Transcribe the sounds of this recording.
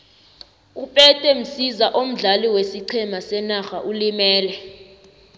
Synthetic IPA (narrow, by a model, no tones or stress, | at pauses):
upʼɛtʼɛm̩sizaʔom̩ɮaliwesiǀʰɛmasɛnaxaʔulimɛːlɛ